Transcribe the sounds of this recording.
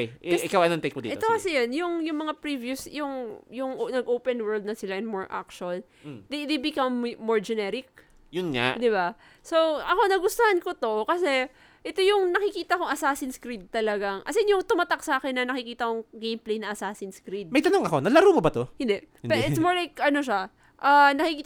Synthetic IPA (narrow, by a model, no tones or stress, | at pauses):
kejʔɪkawʔɐjnɐnt̪ejk̚mod̪ḭʔɛt̪t̪okɐsɛjanjʊŋjʊŋmɐŋapɹivjʊsjʊŋjʊŋnɐɡʔoːwpɛnwɛɹld̪nɐsɪlaʔɛnmoɹʔa̰k̚t͡ʃuɐl | d̪ed̪ejbɪkɐmːoɹd͡ʒɛnɛɾɪk̚ | jʊnŋa̰d̪ɪba | sowʔɐko̞nɐɡʊst̪ohankot̪o̞kɐsɛ | ʔɛt̪o̞jʊŋnɐkɪkiːt̪ɐko̞ŋʔɐsasɪnskɾid̪̚t̪ɐlɐɡaŋʔɐsɛnjʊŋt̪ʊmat̪ak̚saːkɪnːɐnɐkɪkiːt̪ɐkoŋɡejmplejnɐʔɐsaːsɪnskɾid̪̚mɐjt̪ɐnoŋɐko̞nɐlɐɾumobɐt̪ohɪnd̪ɛʔpɛɪsmoɹlajkʔɐno̞ʃa | ʔanɐkɪkiːt̪